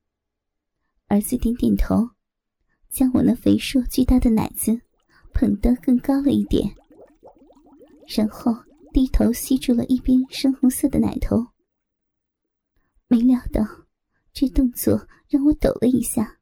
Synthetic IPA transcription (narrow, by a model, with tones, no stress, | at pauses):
ə˧˥t͡sɹ̩˥˩t̪jɛ˧˥nt̪jɛ˨˩nt̪ʰo˧˥ʊ | t͡ɕjɑ˥ŋwɔ˨˩mə˦nfe˧˥ɪʂwɔ˥˧t͡ɕy˥˧t̪a˥˩d̪ə˩na̰˨˩ɪt͡sɹ̩˥˧ | pʰə˨˩ŋt̪ɤ˥kɤ˥˩ŋkɑ˥ʊlə˨˧i˥˩t̪jɛ̰˨˩˦n | ɻa˥nxo˥˧ʊ | t̪i˥˩t̪ʰo˧˥ʊɕi˥ʈ͡ʂu˥˩lə̰˨ʔi˥˩pjɛ˥nʂɤ˥ŋxʊ˧˥ŋsɤ˥˩d̪ə˩na̰˨˩ɪt̪ʰo˧˥ʊ | me˧˥ljɑ˨˩ʊt̪ɑ˥˩ʊ | ʈ͡ʂɤ˥˧t̪ʊ˥˧ŋt͡swɔ̰˥˩ | ɻa˥˩ŋwɔ˧˥t̪o˨˩ʊlʔə˦i˧˥ɕja˥˩